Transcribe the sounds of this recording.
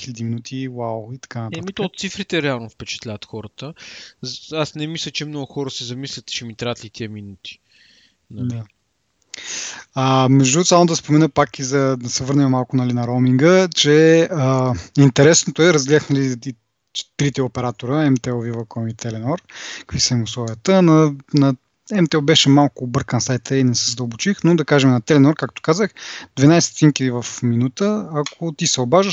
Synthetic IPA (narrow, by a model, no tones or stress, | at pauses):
xilʲɛd̪iminut̪ʰiwawit̪ɐ̥kanɐt̪amit̪oot̪t̪sifɾit̪ɛɾɛalˠnofpɛt͡ʃɛ̥t̪lʲavɐt̪xɔɾət̪əzasnɛmislʲət͡ʃɛmnɔɡʊxɔɾəsɛzɐmislʲət̪t͡ʃɛmit̪ɾaɐət̪lit̪ʰiəminut̪i̥ | nɐld̪a | əmɛʒd̪usamod̪ɐspomɛnəpakizɐd̪ɐsɛvɤɾnɛmɛmalˠkʊnɐlinɐɾomiŋɡət͡ʃɛəint̪ɛɾɛsnot̪oɛɾɐzɡlʲiaxnɐli | t͡ʃt̪ɾit̪ɛopɛɾat̪oɾəɛmt̪ɛvivɐkɔmit̪ɛlɛnɔɾkkkvisəimʊslˠɔviət̪ənɐnɐ | ɛmt̪ɛɛlˠbɛʃɛmalˠkʊːbɤɾkənsajt̪ʰəinɛsɛzəd̪əlˠbot͡ʃixnod̪ɐkaʒɛmnɐt̪ɛlɛnɔɾkak̚t̪o̥kazəxd̪vɛnajsɛ̥t̪inkid̪ivɐfminut̪əakʰot̪isɛobaʒəʃ